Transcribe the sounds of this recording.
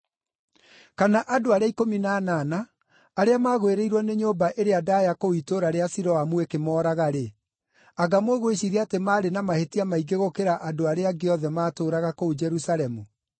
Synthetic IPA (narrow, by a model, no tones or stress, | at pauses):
kanaʔadoaɾeaikominanaːnaː | ɾeamaːɣweɾeiɾwɔneɲoːmbaʔeɾeadaːjakoitoɾaɾeasiɾɔwamuekemɔːɾaɣaɾe | aɡamoɣoeɕiɾiatemaːɾenamahetiamaiɡeɣokeɾaʔadoaɾeaɡeɔðɛmaːtoːɾaɣakoud͡ʒɛɾusalɛmu